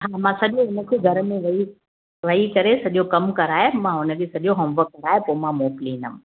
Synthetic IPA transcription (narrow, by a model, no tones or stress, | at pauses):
ɦãːmãsɐʄoʊnəkʰeɡʱɐɾmẽʋɐi | ʋɐikɐɾesɐʄokɐmkɐɾaːɦemãʊnəkʰesɐʄoɦɐ̃mbəkɐɾaːɦepoːmãmoːkliːnəm̃